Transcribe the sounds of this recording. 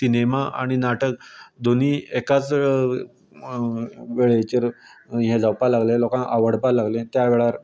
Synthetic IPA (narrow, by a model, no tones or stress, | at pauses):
t̪inemaʔa̰ɽ̃inaʈək̚d̪oniːekat͡s | ʋeɭet͡ɕəɾɦẽd͡zawpalaɡlẽlokãnʔaʋəɽ̤palaɡlẽt̪jaʋeɭaɾ